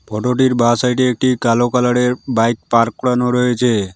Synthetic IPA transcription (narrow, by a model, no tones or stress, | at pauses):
pʰɔʈoʈiɾbasajʈeːk̚ʈikalokalaɽeɾbajk̚paɾk̚ɽanoɾɔet͡ʃʰe